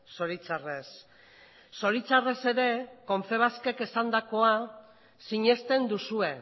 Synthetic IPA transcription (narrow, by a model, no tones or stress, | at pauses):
so̞ɾit͡sare̞sː | o̞ɾit͡sare̞se̞ɾe̞ko̞ɱfe̞β̞aske̞ke̞sand̪ako̞a | siɲe̞st̪e̞nd̪usue̞